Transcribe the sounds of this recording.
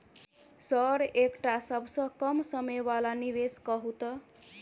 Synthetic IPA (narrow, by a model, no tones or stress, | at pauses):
səɾekʈasəbʱsʌ̃kʌmsəmejbalaniʋeskʌɦut̪ə